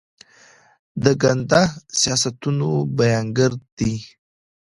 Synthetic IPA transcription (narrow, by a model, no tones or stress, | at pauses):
d̪əɡand̪asijɑsat̪unobajɑŋɡəɾd̪̥i